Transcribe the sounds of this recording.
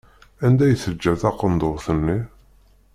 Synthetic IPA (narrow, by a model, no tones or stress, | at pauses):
ænd̪æjəθəd͡ʒːæθɑqːənd̪oðθənːi